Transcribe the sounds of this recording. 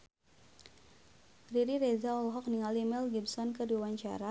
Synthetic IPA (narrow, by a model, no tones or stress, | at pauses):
riɾiɾezaɔlɦɔk̚niŋalimɛlɡibsɔnkəduawaɲt͡ʃa̰ɾa